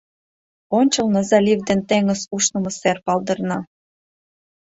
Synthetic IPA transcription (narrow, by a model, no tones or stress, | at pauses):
onʲt͡ɕəlnəzɑlʲivd̪ent̪eŋəsuʃnəmə̆serpɑld̪ərnɑ